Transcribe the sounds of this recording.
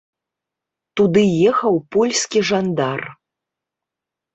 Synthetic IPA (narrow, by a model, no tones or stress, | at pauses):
t̪ud̪ɨjɛxɐwpɔlʲsʲkʲiʐand̪ar